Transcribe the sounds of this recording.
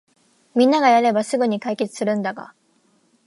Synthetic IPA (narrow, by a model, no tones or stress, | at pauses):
mʲĩnːaɡajaɾe̞basɨɡɯ̟ɲ̟ikaike̞t͡sɨ̥sɨɾɯ̟̃nd̪aɡa̰